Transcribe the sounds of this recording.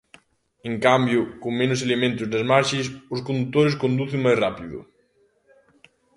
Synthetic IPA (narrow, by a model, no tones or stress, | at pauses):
eŋkambjʊkoŋmẽnʊs̬elemẽnt̪ʊznɐzmaɾʃɪsʊskond̪ut̪ːoɾɪskond̪uθeŋmajsrapiðʊ̰